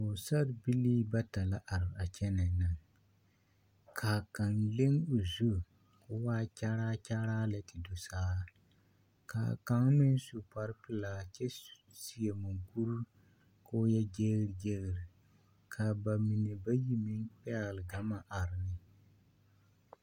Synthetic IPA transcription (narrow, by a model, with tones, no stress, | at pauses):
o˨sa˦ɾbi˦liː˦ba˦ta˨la˦ʔa˨ɾɪ˨a˨t͡ʃɛ˦nɪ˨nɨ˨ŋ | kʰaː˨ka˨nle˦ŋo˨zu˦ | ko˦waː˦t͡ʃa˦ɾaː˦t͡ʃa˦ɾaː˦la˨˦tɪ˨do˨saː˦˨˦ | ka̰ː˨ka˦ŋ˦mɪ˦n˦su˨pa˨ɾpɨ˨laː˨t͡ʃɛ˦ | si˨e˨ma˨ŋɡu˦ɾ | koː˦jɛ˦d͡ʒe˦ɣɾd͡ʒɛ˦ɣɪ˨ɾi˨ | kʰa˨ba˨mi˨nɛ˨ba˦ji˦mi˦nk͡pɛ˦ɣlɨ˨ɡa˨ma˦ʔa˨ɾɪ˨nɪ˦